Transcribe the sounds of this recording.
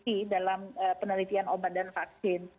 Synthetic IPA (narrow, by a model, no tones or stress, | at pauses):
idalaməpənəlit̪ianobat̪̚danfak̚sɪn